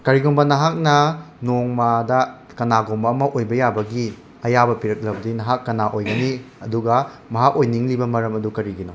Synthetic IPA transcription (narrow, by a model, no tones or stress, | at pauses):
kɐɾiɡombɐnɐɦak̚nɐnoŋmadɐ | kɐnaɡombɐːmɐʔojbɐjabɐɡi | ɐjabɐpiɾɐk̚lɐbɐdinɐɦakːɐnaʔojɡɐni | ɐduɡɐ | mɐɦakojniŋlibɐmɐɾɐmɐdukɐɾiɡino